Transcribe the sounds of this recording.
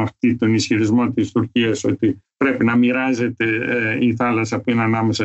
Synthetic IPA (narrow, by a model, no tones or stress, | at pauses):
ɐft̪it̪o̞nisçiɾizmo̞t̪ist̪uɾciɐso̞̰t̪ipɾe̞pinɐmiɾɐze̞t̪e̞iθɐlɐsɐpuinɐnɐme̞sɐ